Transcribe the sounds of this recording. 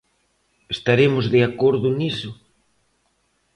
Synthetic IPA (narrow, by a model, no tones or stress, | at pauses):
est̪aɾemʊzðeakoɾðʊnisʊ